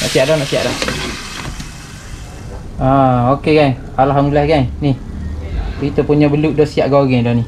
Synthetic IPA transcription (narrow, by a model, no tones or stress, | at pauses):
na̰ʔsiaʔdɔhnaʔsia̰ʔdɔh | aokeɡaj | alɦamdillahɡajnih | it̪əpuɲabəluʔdɔsiaʔɡaɡɛdɔni